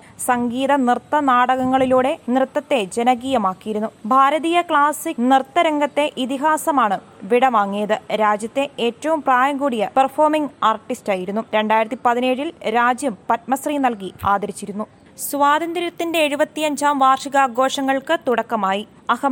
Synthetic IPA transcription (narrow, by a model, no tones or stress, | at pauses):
sɐŋɡiːðɐnrt̪ːɐnaːɽɐɣɐŋːɐɭiluːɽe̞nrɨt̪ːɐt̪ːe̞d͡ʑe̞nɐɡiːjɐmaːkːijiɾunːubʱaːɾɐðiːjɐkɭaːsinɨrt̪ːɐɾɐŋɡɐt̪ːe̞ʔit̪iɦaːsɐmaːɳɨ | ʋiɽɐʋaːŋːijɐðɨɾaːd͡ʑjɐt̪ːe̞eːtːɐʋumpraːjɐŋɡuːɽijɐperfoːrmiŋɡaːrʈːistaːjiɾunːuɾe̞ɳɖaːjiɾɐt̪ːipɐðine̞ːɻilɾaːd͡ʑjɐmpɐt̚mɐsriːnɐlkiaːd̪ɐɾit͡ɕːiɾunːu | sʋaːd̪ɐnd̪ɐɾɐt̪ːinde̞ːɻubɐt̪ːiɐɲd͡ʑaːmʋaːrʂiɣaːɡo̞ːʂɐŋːɐɭkɨt̪uɽɐkːɐmaːji | ɐhɐm